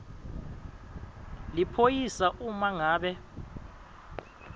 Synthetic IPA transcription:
lipʰojisaʔumaŋaːɓɛ

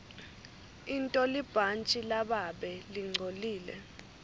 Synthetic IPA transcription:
intʼɔlib̥ʱant͡ʃʼilaɓaɓɛliŋ͡ǀʱoliːlɛ̰

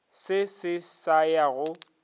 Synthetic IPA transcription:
sɪsɪsajaɣʊ

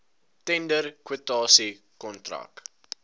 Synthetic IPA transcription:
tɛndərkwətɑːsi | kɔntra̰k̚

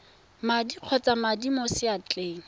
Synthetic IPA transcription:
madiq͡χʰɔt͡samadimosɪat͡ɬʼeːŋ̩

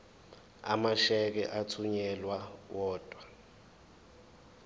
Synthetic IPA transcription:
a̰maʃɛk̬ɛʔatʰuɲɛlwawɔːd̥ʼʱwa

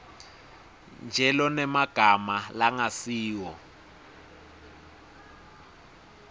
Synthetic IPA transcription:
nd͡ʒʱɛlɔnɛmaɡ̥ʱamalaŋasiːwɔ

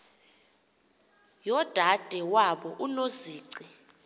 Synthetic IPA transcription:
jɔd̥ʱad̥ʱɛwaɓɔʔunoziːǀi

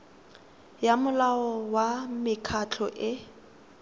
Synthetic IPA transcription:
jamʊlaɔwamɪkʰat͡ɬʰɔʔɪ

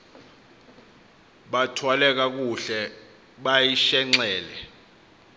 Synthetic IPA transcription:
ɓatʰwalɛk̬ak̬uɬɛ | ɓajiʃɛŋ͡ǀɛːlɛ

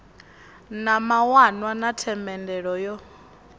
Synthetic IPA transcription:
namawanwanatʰɛmbɛndɛɺɔjɔ

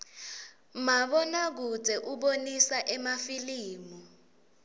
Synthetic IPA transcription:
maɓɔnak̬ud͡zʱɛʔuɓonisaʔɛmafiliːmu

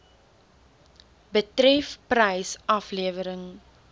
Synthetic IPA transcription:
bətɾɛfprəjsʔɐfliəvəɾəŋ

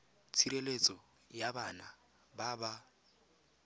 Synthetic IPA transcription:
t͡sʰiɾelet͡sʼɔ | jabana | baba

